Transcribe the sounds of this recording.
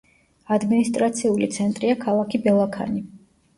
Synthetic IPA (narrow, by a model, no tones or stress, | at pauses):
ad̪minist̪ʼɾat̪sʰiulit̪sʰɛnt̪ʼɾiakʰalˠakʰibɛlˠakʰa̰ni